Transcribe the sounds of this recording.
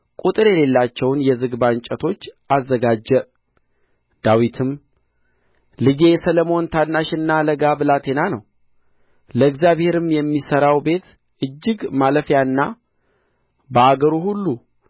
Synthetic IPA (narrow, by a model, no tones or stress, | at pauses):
kʼut̪ʼɨɾɛle̞lːat͡ʃːɛwnjɛzɨɡbaɲt͡ʃʼət̪ʰo̞t͡ʃːʔazːəɡad͡ʒːɛ | d̪̥awit̪ʰɨm | lɨd͡ʒe̞jɛsələmo̞nt̪ʰanːaʃɨnːaləɡabɨlat̪ʰe̞nanəw | ləɨɡzjaβhe̞ɾɨmjɛmːisəɾawbe̞t̪ | ʔɨd͡ʒːɨɡmaləfjanːa | bəaɡəɾuhulːu